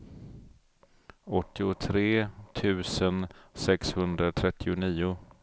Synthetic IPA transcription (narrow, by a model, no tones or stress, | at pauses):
ɔt̪ːɪʊt̪ʰɾeːt̪ʰʉ̟ːsənsɛkshɵnd̪ɾat̪ʰɾɛt̪ːɪʊniːʊ